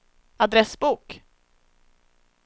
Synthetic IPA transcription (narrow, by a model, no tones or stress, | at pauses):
ad̪ɾɛsbuːk